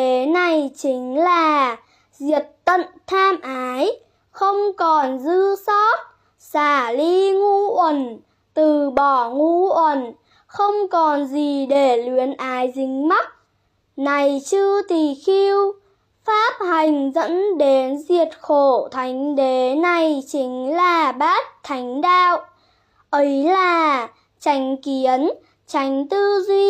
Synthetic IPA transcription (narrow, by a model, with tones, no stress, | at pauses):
e˨˦na˨˩jt͡ɕï˨˦ŋ̟laː˨˩ | zi˨˩ət̚t̪ə̰˧˨nt̪ʰaː˧mʔaː˨˦j | xə˧wŋ͡mkɔ˨˩nzɨ˧sɔ˦˥t̚ | saː˧˩li˧ŋu˧ʔwə˧˩n | t̪ɨ˨˩ɓɔ˧˩ŋu˧˥ʔwə˧˩n | xə˧wŋ͡mkɔ˨˩nzi˨˩ɗe˧˩li˨˦ənʔaː˨˦jzï˨˦ŋ̟ma˦˥t̚ | na˨˩jt͡ɕɨ˧ət̪i˨˩xi˧w | faː˦˥p̚ha˨˩jŋ̟zə̰˧˥nɗe˨˦nzi˨˩ət̚xo˧˩t̪ʰa˨˦jŋ̟ɗe˨˦na˨˩jt͡ɕï˨˦ŋ̟laː˨˩ɓaː˦˥t̚t̪ʰːa˨˦jŋ̟ɗaː˧˨w | ʔə˨˦jlaː˨˩ | t͡ɕa˨˦jŋ̟ki˨˦ən | t͡ɕa˨˦jŋ̟t̪ɨ˧zwi˧